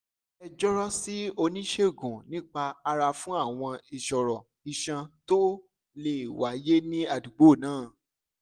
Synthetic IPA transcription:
ɛ˧d͡ʒɔ˦ɾɔ˦si˦o˧nĩ˦ʃe˦˨ɡũ˨nĩ˦k͡pa˧a˧ɾa˧fũ˦a˦˨w̃ɔ̃˧i˨ʃɔ˨ɾɔ̃˨ | i˧ʃã˧to˦ | le˦˨i˨wa˨˦je˦nĩ˦a˨du˨ɡ͡bo˦˨nãː˦˨

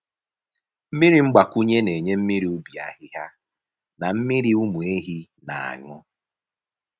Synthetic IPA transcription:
m̩˦mi˦ɾi˨ŋ͡m̩˦ɡ͡ba˨ku˦ɲe˦ne˨ɲe˦m̩˦mi˦ɾi˨u˦bi˨a̰˨ɦɪ˦ɦa˦ | na˨m̩˦mi˦ɾi˦u˦mu˨e˦ɦi˦ | na˨a̰˨ŋʊ˦

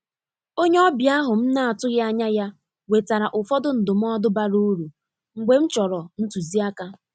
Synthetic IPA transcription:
o˦ɲe˦ɔ˦bja˦ɦʊ˨m̩˦na˦a˨tʊ˦ɣɪ˦a˦ɲa˦ja˦ | we˨ta˨ɾa˨ʔʊ˨fɔ˦dʊ˦n̩˨dʊ˨m̩˦ɔ˦dʊ˦ba˦ɾu˦ɾu˨ | ŋ̩˨ɡ͡be˨m̩˦t͡ʃɔ˨ɾɔ˨n̩˦tu˨zi˦a˦ka˦

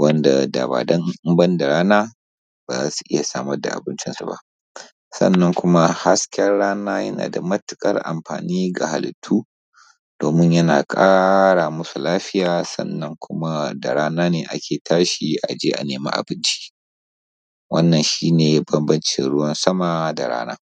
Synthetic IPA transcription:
wɐ˦nda˨da̰ː˨ba̰ː˨dɐ˦ŋ˦mbɐ˦nda˨ɽaː˦naː˦ | ba˨aː˦su̥˨ʔɪ˦ja˨saː˦mɐ˦rda̰˨ʔa̰˨bɪ˦nt͡ʃɪ˦nsu˨ba̰˦ʔ | sɐ̰˦˨nːɐ˦ŋkʷʊ˦ma˦ha˦skʲɐ˦rɽaː˦naː˦jɐ˦na̰ː˨da˨mɐ˦tʊ˨kʼɐ̰˦rʔa̰˨mɸa̰ː˨niː˦ɡa˨ha˨lɪ̰˨tʰːuː˦ | d̥oː˨mɪ˦ɲjɐ˦naː˨kʼaː˦ɽaː˨mʊ˦su˨laː˦ɸɪ˦jaː˨sɐ̰˦nːɐ˦ŋkʷʊ˦ma˦da˨ɽaː˦naː˦neː˨ʔa̰˦kʲʰeː˨tʰaː˦ʃi˨ʔa̰˨d͡ʒeː˦ʔa̰˨neː˨ma̰˦ʔa̰˨bɪ˦nt͡ʃi̥ː˦ | wɐ̰˦nːɐ˨nʃiː˦neː˨bɐ˦mbɐ˦nt͡ʃɪ˨nɽʊ˦wɐ˦nsɐ˦ma˨da˨ɽa̰ː˦na̰ː˦

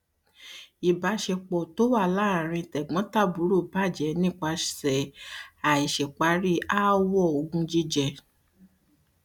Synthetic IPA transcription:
i˨ba˨˧˦ʃe˧k͡pɔ˨to˦wa˦˨la˨˦˨ɾ̃ĩ˧tɛ˨ɡ͡bɔ̃˨˦ta˦˨bu˨˦ɾo˦˨ba˦˨d͡ʒɛ˨˦nĩ˦˨k͡pa˧ʃsɛ˨a˨i˨ʃɛ˨k͡pa˨˦ɾi˦a˦wɔ˦˨o˨ɡũ˧˦d͡ʒi˦d͡ʒɛ˧˨

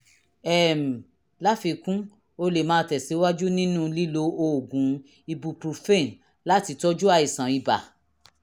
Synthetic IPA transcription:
ɛ˦˨m̩˨ | la˦fi˧kũ˦ | o˧le˨mãː˨˦tɛ˨si˨˦wa˦d͡ʒu˦nĩ˦nũ˦˧li˦lo˧o˧˨ɡũ˨˦ | i˧bu˧pɾu˧fe˦˨n | la˦ti˧tɔ˦d͡ʒu˦a˧i˨sã˨i˨˧ba̰˨

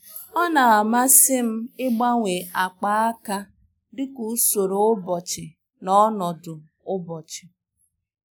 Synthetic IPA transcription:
ɔ˦na˨a˨ma˦sɪ˦m̩˦ɪ˦ɡ͡ba˦ŋʷe˨a˨k͡pa˦a˦ka˦ | dɪ˦ku˨˦so˨ɾo˨ʊ˦bɔ˨t͡ʃɪ˨ | nɔ˦nɔ˨dʊ˨ | ʊ˦bɔ˨t͡ʃɪ̥˨

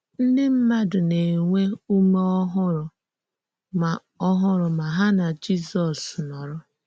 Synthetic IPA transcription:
n̩˦dɪ˦m̩˦ma˦dʊ˨ne˨ŋʷe˦u˦me˦ɔ˦ɦʊ˦ɾʊ˨ | ma˨ | ɔ˦ɦʊ˦ɾʊ˨ma˨ɦa˦na˨d͡ʒi˦sɔ˨snɔ˨ɾʊ˦

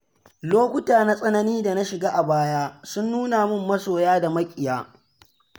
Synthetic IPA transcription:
loː˦kʷʊ˦taː˨na˦sʼɐ˦nɐ˦niː˦da˨na˦ʃɪ˨ɡaː˦ʔa˨baː˦jaː˦sʊ˦nːuː˦naː˨mʊ˦˨mːɐ˦soː˨jaː˦da˨mɐ˦kʲʼɪ˨jaː˦

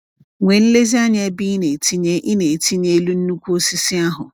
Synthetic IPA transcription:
ŋʷɛ̃˨˦n̩˦le˦zi˦a˦ɲɛ̃˨˦bi˦nẽ˨tʰi˦ɲɛ̃˦ʔi˦nẽ˨tʰi˦ɲɛ̃˦lu˦n̩˦nũ˦kʰu˦o˦si˦sɪ˦a˦ɦʊ˨

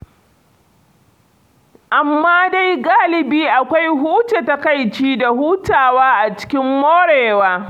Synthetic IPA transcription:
ʔa˨mːaː˦da˦jɡaː˦lɪ˨biː˦ʔa˨kʷa˦jɦuː˦t͡ʃe˨ta˦ka˦jt͡ʃiː˦da˨huː˦taː˨waː˦ʔa˨t͡ʃɪ̥˦kʲɪ˦mːoː˦ɽeː˨waː˦

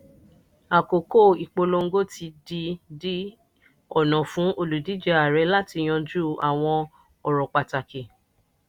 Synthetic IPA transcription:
a˨ko˨ko˦˨i˨k͡po˧lo˧ŋ̩˦ɡo˦˨ti˧di˧di˦ | ɔ˦˨nɔ̃˨fũ˨˦ʔo˧lu˨di˨˦d͡ʒɛ˧a˨ɾɛ˨˦la˦ti˧j̃ɔ̃˧d͡ʒu˦a˨w̃ɔ̃˧ | ɔ˨ɾɔ˨k͡pa˨ta˨ke˨

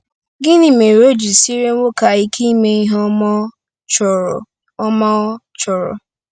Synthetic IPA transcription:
ɡɪ˦nɪ˨me˨ɾo˦d͡ʒi˨si˦ɾe˦wo˦ka˨i˦kʰi˦me˦i˦ɦɔ˦ | t͡ʃɔ˨ | ɔ˦ma˦ɔ˦t͡ʃɔ˨ɾɔ̰˨

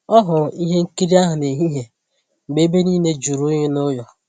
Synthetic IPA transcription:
ɔ˦ɦʊ˨ɾi˦ɦe˦ŋ̩˦ki˦ɾi˦a˦ɦʊ˨ne˨ɦi˦ɦe˨ | m̩˨ɡ͡be˦be˦niː˦ne˦d͡ʒu˨ɾu˦ɲe˦nʊ˦jɔ˨

